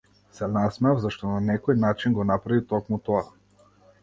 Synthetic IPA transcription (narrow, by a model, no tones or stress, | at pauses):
sɛnasmɛavzaʃt̪ɔnanɛkɔjnat͡ʃinɡɔnapɾavit̪ɔkmut̪ɔa